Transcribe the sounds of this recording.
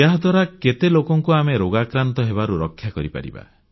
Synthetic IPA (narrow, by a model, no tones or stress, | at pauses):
aɦɔd̪waɾaket̪elokɔŋkuameɾoɡakɾant̪ɔɦeβaɾuɾɔkʰːjakɔɾipa̰ɾḭba̰